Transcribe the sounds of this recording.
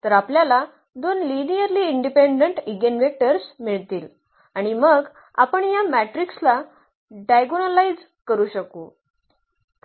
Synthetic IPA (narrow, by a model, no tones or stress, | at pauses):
t̪əɾapljala | d̪onlinijəɾliːɳɖipeɳɖəɳʈiɡenʋek̚ʈəɾsmiɭt̪iːl | aɽ̃iməɡ | a̰pəɳjamæʈɾiksla | ɖajɡonəlaid͡z | kəɾuːɕəkṵ